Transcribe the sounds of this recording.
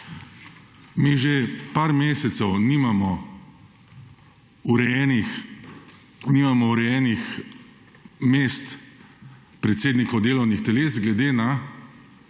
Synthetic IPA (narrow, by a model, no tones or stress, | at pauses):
miːʒepaːɾmeːsɛt̪sɛwniːmamɔ | uɾɛjɛnix | nimamɔuɾɛjɛːnix | meːst̪ | pɾɛt̪seːd̪nikod̪eːlɔwnixt̪ɛleːsɡlɛd̪eːna